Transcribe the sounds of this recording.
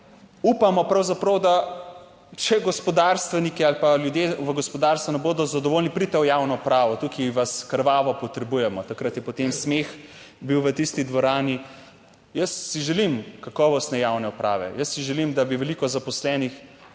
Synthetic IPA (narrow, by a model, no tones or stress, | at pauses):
upamɔpɾawzapɾɐwd̪a | t͡ʃɛɡɔspɔd̪aɾst̪ʋɛnikialpaljud̪jeʋəɡɔspɔd̪aːɾst̪ʋunɛboːd̪ɔzad̪ɔʋoːlnipɾit̪ɛɔjawnɔpɾaːʋɔt̪ukiʋaskɾʋaːʋɔpɔt̪ɾɛbujɛmɔt̪akɾat̪jɛpɔt̪emsmex | biwʋət̪ist̪id̪ʋɔɾaːni | jəsːiʒɛlimkakɔːʋɔst̪nɛjawnɛupɾa̰ːʋɛ̰jəsːiʒɛlimd̪abiʋɛlikɔzapɔslɛːnix